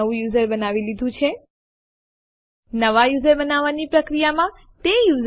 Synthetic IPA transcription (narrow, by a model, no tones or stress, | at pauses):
əũjuzəɾbənaʋilid̪ʱũt͡ʃʰe | nəʋajuzəɾbənaʋanipɾəkɾijamã | t̪ejuz